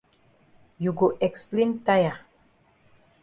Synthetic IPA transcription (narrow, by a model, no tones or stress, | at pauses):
juɡoʔɛksplẽntaja